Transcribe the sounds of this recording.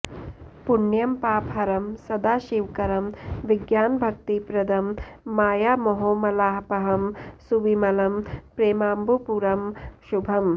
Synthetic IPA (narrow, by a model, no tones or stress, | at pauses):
punjɐmpaːpɦɐɾɐmsɐd̪aːʃiwkɐɾɐmʋiɡjaːnbʱɐk̚t̪ipɾɐd̪ʱɐmːaːjaːmoɦoːmɐlaːɦpɐɦɐmsuʋimɐlɐmpɾeːmaːmbupuɾɐmʃubʱɐm